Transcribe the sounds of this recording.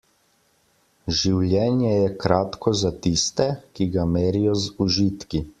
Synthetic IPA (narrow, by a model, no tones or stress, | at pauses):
ʒiwljɛːnjɛjɛkɾaːt̪kʰɔzat̪ist̪ɛkiɡamɛːɾijɔzuʒiːt̪ki